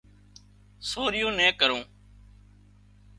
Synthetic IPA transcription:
soːɾɪjõːnɛ̃ːkəɾõː

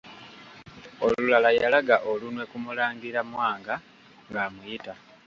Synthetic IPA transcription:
olulalajalaɡaʔolunwe̞kumulaːŋɡiɾamwaːŋɡa | ŋɡaːmujita

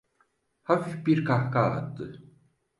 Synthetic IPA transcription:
hafifbiɾkʰahka̰t̪ːɯ

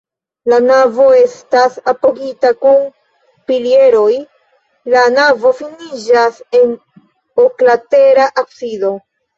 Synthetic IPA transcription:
lanavo̞e̞stasapo̞ɡitakun | pilie̞ɾo̞j | lanavo̞finid͡ʒase̞n | oklate̞ɾaʔaksido̞

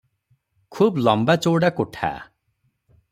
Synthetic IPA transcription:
kʰublɔmbat͡ʃoɽakuʈʰa̰

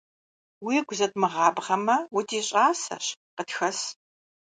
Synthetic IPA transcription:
wiːɡʷʊzɐtmɨʁɑːbʁɐmɐwʊtʰiːɕʼaːsɐ̰ɕqətxɐs

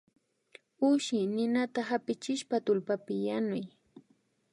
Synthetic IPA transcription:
ʊʃɪnɪnat̪ahapɪt͡ʃɪʃpat̪ʊlpapɪjanʊj

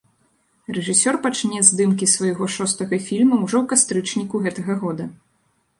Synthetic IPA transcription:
rɛʐɨsʲɔrpat͡ʂnʲɛzʲd̪ɨmkʲisvɐjɣɔʂɔst̪ɐɣɐfʲilʲmɐwʐɔwkast̪ɾɨt͡ʂnʲikuɣɛt̪ɐɣɐɣɔd̪ɐ

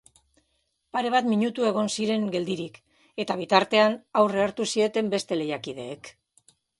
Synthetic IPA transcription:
paɾe̞βat̪miɲut̪ue̞ɣ̞o̞nsiɾe̞ŋɡe̞ld̪iɾik | e̞t̪aβ̞it̪aɾt̪e̞anawre̞aɾt̪usie̞t̪e̞mbe̞st̪e̞le̞jakið̞e̞ːk

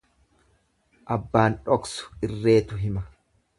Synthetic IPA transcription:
ʔɐbːaːnᶑɔksʊ̥ɪrːe̞ːt̪ʊɦɪmɐ

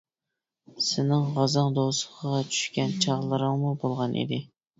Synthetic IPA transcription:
sɪnɪŋʁɑzɑŋd̪osəχəʁɑt͡ʃʰy̥ʃkʲɛnt͡ʃʰɑʁlˠɨɾɨŋmubolˠʁɑnʔḭd̪ɪ

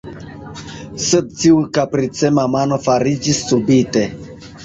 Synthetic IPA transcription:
sed̪̚t͡ʃiukapɾit͡semamano̞faɾid͡ʒisːubite̞

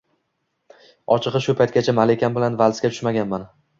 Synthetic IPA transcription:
ɒt͡ʃʰɨqɨʃʊpʰajt̪̚ɡʲat͡ʃʰamalekʲanbɪlanvalskʲat̪ʰʊ̥ʃmaɡʲanman

